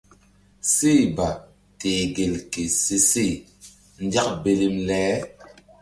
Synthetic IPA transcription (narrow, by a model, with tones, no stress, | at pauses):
si˦˨ba˨ | teː˨ɡe˨lke˨se˦si˦˨ | n̩˦d͡ʒa˦k̚be˨li˨mlɛː˦